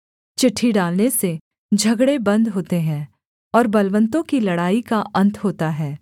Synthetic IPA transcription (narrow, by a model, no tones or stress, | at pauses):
t͡ʃɪʈʰːiɖaːlnese | d͡ʒʱɐɡɽebɐ̃nd̪ɦoːt̪eɦɛ̃ː | ɔːɾbɐlʋə̃nt̪õkilɐɽaːikaʔɐ̃nt̪ʰɦoːt̪aɦɛː